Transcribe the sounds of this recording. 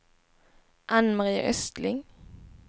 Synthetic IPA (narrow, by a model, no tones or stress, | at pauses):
ʔanmaʁḭːʔœst̪lɪŋ